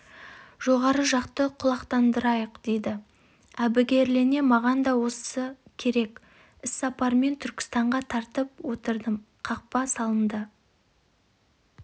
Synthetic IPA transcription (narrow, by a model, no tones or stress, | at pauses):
ʒ̥o̞ʁɑɾəʒɑqt̪əqʰʊlˠɑqt̪ɑnd̪əɾɑjəqd̪̥e̞jd̪ɪ | æbɪɡʲe̞ɾle̞ne̞mɑʁɑnd̪ɑwo̞ssəkʲʰe̞ɾe̞kʲ | ɪsːɑpɑɾme̞nt̪ʰʏɾkʲɪ̥st̪ɑɴʁɑt̪ʰɑɾt̪əp̚wot̪əɾd̪əm | qʰɑq̚pɑsɑlˠənd̪ə